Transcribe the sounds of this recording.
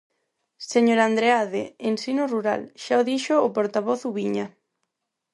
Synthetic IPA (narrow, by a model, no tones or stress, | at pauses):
seɲoɾand̪ɾeaðeensinoruɾa̰lʃaoðiʃʊːpoɾt̪aβɔθuβiɲa